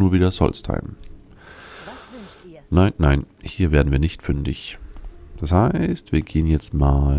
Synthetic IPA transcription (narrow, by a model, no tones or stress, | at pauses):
nuːɐviːdɐsɔ̰lstʰa̰ɪm | naɪnːaɪn | hiːɐveːɐdn̩viːɐnɪçtfʏndɪ̰ç | d̥ashaɪstv̥iːɐɡeːənjɛt͡stmaːl